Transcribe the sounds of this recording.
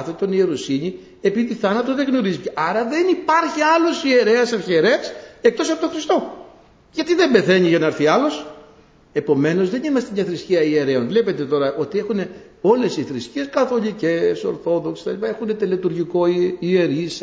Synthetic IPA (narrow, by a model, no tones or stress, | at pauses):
θet̪o̞nie̞ɾosiɲi | epiðiθɐnɐt̪oðeɣno̞ɾiziceʔɐɾɐðe̞nipɐɾçiɐlo̞sie̞ɾe̞ɐsɐfçieɾe̞ɐsek̚t̪o̞sɐpot̪oxɾist̪o̞ | ʝɐt̪iðe̞mbe̞θe̞ɲiʝɐnɐɾθiɐlo̞s | e̞po̞me̞no̞zðe̞nimɐst̪e̞mɲɐθɾisciɐie̞ɾe̞o̞nvle̞pe̞t̪e̞t̪o̞ɾɐʔo̞t̪ie̞xune̞ | o̞le̞siθɾiscieskɐθo̞lice̞so̞̰ɾθo̞ðoksset̪ɐ̰ʎipaɐe̞xune̞t̪elet̪uɾʝiko̞ie̞ɾis